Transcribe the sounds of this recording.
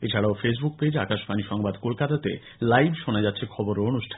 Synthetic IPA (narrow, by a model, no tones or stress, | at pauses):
et͡ɕʰaɽaofes̬buk̚ped͡ʑakaʃpaniʃɔŋbad̪kolkat̪at̪ḛ | lajbʃonad͡ʑatːɕʰekʰɔboɾoonuʃʈʰan